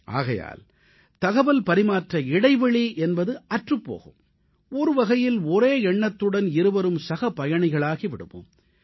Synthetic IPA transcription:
ʔa̰ːɣɐja̰ːl | t̪ɐɣɐʋɐlpɐɾɪmaːʈrɐɪɽɐɪʋɛɭiʔɛnbɐðɯɐʈrɯpːo̰ːɣɯ̰m | ɔɾɯʋɐɣɐjɪlɔɾeːɛɳːɐt̪ːɯɽɐnɪɾɯʋɐɾɯmsɐɣɐpːɐjɐɳɪɣɐɭaːɣiʋɪɽɯ̰mɯ̰m

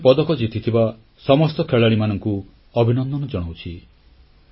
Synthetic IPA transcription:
pɔd̪ɔkɔd͡ʒit̪ʰit̪ʰiba | sɔmɔst̪ɔkʰeɭaɽ̃imanɔŋku | ɔbʱinɔnd̪ɔnɔd͡ʒɔɽ̃awt͡ʃʰi

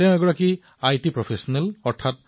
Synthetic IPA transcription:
tɛʊ̃ɛɡɔɹaki | ajtipɹɔpʰesɔnɛlɔɹtʰat̚

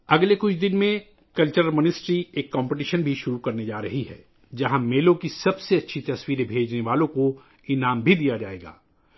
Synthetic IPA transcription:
ɐɡlekʊt͡ʃʰd̪ɪnmẽ | kɐlt͡ʃəɾmɪnɪsʈɾieːkːãːmpɪʈiʃənbʱiʃʊɾukɐɾned͡ʒaːɾɐɦiɦɛ̰ː | d͡ʒɐɦãmeːlõkisɐbseɐtːʃʰit̪ɐswiːɾebʱeːd͡ʒneʋaːlõko | ɪnaːmbʱid̪ijad͡ʒaːḛːɡa̰ː

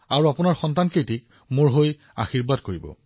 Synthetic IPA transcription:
aɹuapʊnaɹxɔntankejtik | moɹɦoj | a̰xiɹbadkoɹibɔ̰

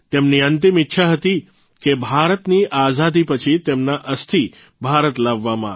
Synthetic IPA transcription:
t̪emniənt̪imitːʃʰaɦət̪i | kebʱaɾət̪niʔazad̪ipət͡ʃʰit̪emnaʔəst̪ʰi | bʱaɾət̪laʋːamã̰

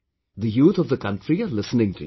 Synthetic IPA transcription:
d̪əjuːt̪ʰɔvd̪əkʌ̃nʈɾiəlɪsənɪ̃ŋtʰu

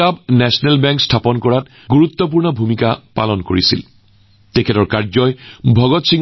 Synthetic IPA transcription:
abnɛsɔnɛlbɛŋkstʰapɔnkɔɹat | ɡuɹut̪ːɔp̬uɹnɔbʱumikapa̰lɔnko̰ɹisḭl | tekʰetɔɹkaɹzɔjbʱɔɡɔtsiŋ

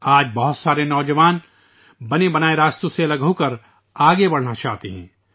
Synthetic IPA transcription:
aːd͡ʒbɐɦʊt̪saːɾenɔːd͡ʒɐʋaːn | bɐnebɐnaːeɾaːst̪uselɐɡɦõkɐɾ | aːɡebɐɽ̤nat͡ʃaːɦt̪eɦɛ̃ː

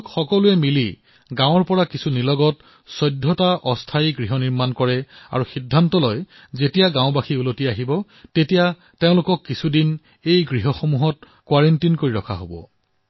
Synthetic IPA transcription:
kxɔkɔlʊɛmili | ɡãw̃ɔɹpɔɹakisunilɔɡɔt̚ | sɔjdʱːɔtaʔɔstʰajiɡɹiɦɔniɹmankɔɹɛa̰ɹuxidʱːantɔlɔj | zetijaɡãʊ̃baxʰiulotiaɦibɔ | tetija | teʊ̃lʊkɔkːisʰudin | ejɡɹiɦɔxomuɦɔt̚ | kwaɹentinkoɹiɹɔkʰa̰ɦo̰bɔ̰

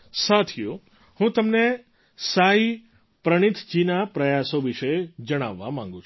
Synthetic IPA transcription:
sat̪ʰijo | hũt̪əmne | sai | pɾəɽ̃it̪ʰd͡ʒinapɾəjasoʋiʃed͡ʒəɽ̃aʋːa̰mã̰ŋ̆ɡũt͡ʃʰ

